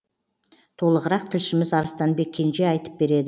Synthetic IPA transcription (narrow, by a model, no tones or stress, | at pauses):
t̪ʰo̞lˠəʁəɾɑq̚t̪ʰɪlʃɪmɪzɑɾəst̪ɑnbe̞kʲʰːe̞nʒeɑjt̪ə̥p̚be̞ɾe̞d̪ɪ